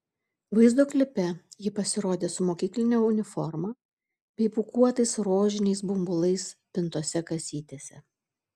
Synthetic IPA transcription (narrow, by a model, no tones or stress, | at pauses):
ʋɐɪzd̪oːklʲɪpʲɛjɪpɐsʲɪɾoːd̪ʲeːsʊmoːkʲiːklʲɪnʲoːʊnʲɪfɔɾmɑː | bʲɛɪpʊkuɔt̪ɐɪsɾoːʒʲɪnʲɛɪsbʊmbʊlˠɐɪspʲɪnt̪uɔsʲɛkɐsʲiːt̪ʲeːsʲɛ̰